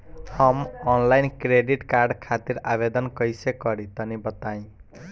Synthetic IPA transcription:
hʌmɔnlajnkɾeɖiʈkarɖkʰat̪iɾabed̪ʌnkʌjsekːʌɾit̪ʌnibʌt̪aĩ

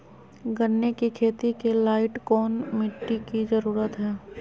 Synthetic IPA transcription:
ɡənːekikʰeːt̪ikelaːɪʈkɔːnmɪʈːikizəɾuːɾət̪ɦɛː

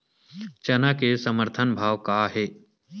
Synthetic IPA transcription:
t͡ʃɐnakesɐməɾt̪ʰənbʱaːʋkaɦeː

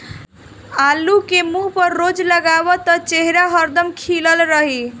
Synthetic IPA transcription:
alukemuɦpəɾːod͡ʒləɡabɔt̪ɔt͡ʃeɦɾaɦəɾd̪əmkʰiləlɾəɦi

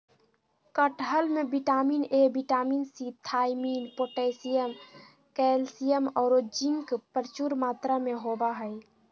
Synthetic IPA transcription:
kəʈɦəlmẽbiʈaːmiːnebiʈaːmiːnsit̪ʰaːjmiːnpoːʈɛsijəm | kɛlsijəmɔːɾod͡ʒĩŋkpəɾt͡ʃuɾmaːt̪ɾamẽɦobaɦɛj

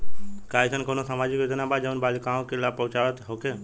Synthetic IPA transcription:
kaːɪsʰənkoːnosamaːd͡ʒɪkod̪ənaːbad͡ʒəʋnbaːlikãːkɪlapəʋt͡ʃaːʋət̪ɦoːkeː

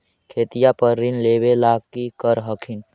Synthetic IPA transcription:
kʰeːt̪ijapəɾːinlebelaːɡkikəɾɦəkʰin

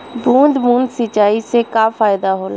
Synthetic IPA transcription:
bũːnd̪bũːnd̪sɪt͡ʃaːisekafaːjd̪aɦoːlaː

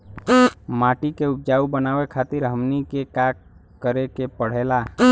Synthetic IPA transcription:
maːʈikeup̚d͡ʒaːubənaːwekʰaːt̪ɪɾɦəmnikekak | kːəɾekepəɽ̤ela

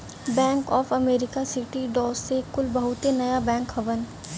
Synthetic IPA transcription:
bɛ̃ːŋkɔːfɐmeːɾɪkasɪʈiɖɔːsːekʊlbɐɦʊt̪enɐjabɛ̃ːŋkɦɐʋən

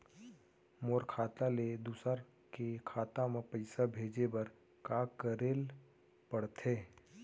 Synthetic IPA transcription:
moːɾkʰaːt̪aled̪usəɾ | kekʰaːt̪ãmẽpəɪsabʱeːd͡ʒebɐɾ | kaːkəɾeːl | pəɽt̪ʰeː

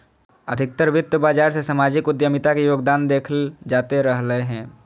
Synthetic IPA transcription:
əd̪ʱɪk̚t̪əɾʋɪt̪ːəbaːd͡ʒaːɾsesamaːd͡ʒɪkʊd̪jəmɪt̪akijoːɡd̪aːnd̪eːkʰəld͡ʒaːt̪eɾəɦləeɦɛ̃ː

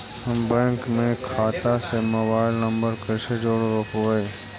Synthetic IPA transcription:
mbɛ̃ːŋkmẽkʰaːt̪asemoːbaːɪlnə̃mbəɾkəʃed͡ʒoːɽoɾopoeː

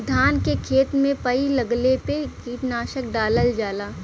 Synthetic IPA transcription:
d̪ʱaːnkekʰeːt̪mẽpəilɐɡlepekiːʈnaːʃək̚ɖaːləld͡ʒaːlaː

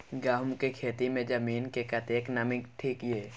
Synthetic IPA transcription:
ɡaːɦʊmkekʰeːt̪imẽd͡ʒəmiːnkekɐt̪eːknɐmɪkʈʰiːkjeː

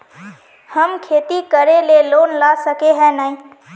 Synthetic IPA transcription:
həmkʰeːt̪ikəɾeleloːnlaːsəkeɦɛ̃naːĩː

